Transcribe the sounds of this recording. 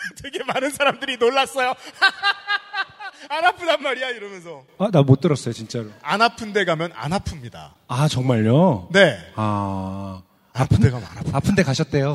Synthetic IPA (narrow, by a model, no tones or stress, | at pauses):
te̞ɡe̞manɯnsʰaɾamdɯɾinoɭːas͈ʌjo | anapʰɯdanmːaɾijaiɾʌmjʌnsʰʌanamot͈ɯɾʌs͈ʌjot͡ɕint͡ɕ͈aɾoanɦapʰɯnde̞ɡamjʌna̰nɦapʰɯmɲida̰ | at͡ɕʌŋmaʎjone̞a | apʰɯdeɡanapʰapʰɯnde̞kaɕʰʌt̚t͈e̞jo